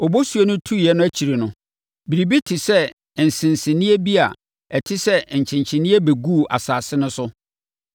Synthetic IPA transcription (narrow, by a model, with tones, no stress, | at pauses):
ɔ˨bo˦su˨e˦nʊ̃˦tʰu˦˨jɛ˦nʊ̃˦æ˦t͡ɕʰi˨ɾi˨nʊ̃˨ | bi˨ɾi˨bi˦tʰɪ˨sɛ˦˨ | n̩˨sɪ̃˨nsɪ̃˨nĩ˦e˦bi˦a˨ | ɛ˨tʰɪ˦sɛ˦˨ɲ̩˨t͡ɕʰɪ̃˨ɲt͡ɕʰɪ̃˨nĩ˦e˦be˨ɡu˦˨a̰˨saː˨sɪ˦nʊ̃˦sʊ˦